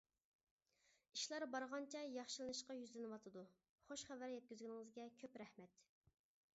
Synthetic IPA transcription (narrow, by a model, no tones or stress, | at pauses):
iʃlˠɑɾbɑɾʁɑnt͡ʃʰɛjɑχʃɨlˠɨnɨʃqɑjyzlɪnɨwɑt̪ʰɨd̪u | χoʃχævæɾjɛt̪̚kʲyzɡʲinɪŋɨzɡʲɛkʲʰøpɾɛhmɛt̪